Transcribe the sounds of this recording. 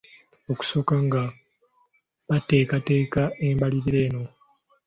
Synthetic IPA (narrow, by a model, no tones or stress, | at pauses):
o̞ku̥so̞ːkaŋɡa | βate̞ːkate̞ːkaembaliɾiɾe̞ːno̞